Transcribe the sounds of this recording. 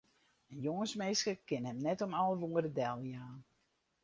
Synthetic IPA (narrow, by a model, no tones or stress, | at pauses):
ənjoŋənsmeːskəkɪnɦɛmnɛtɔmɔlˠəʋuːəɾədɛlˠjaːn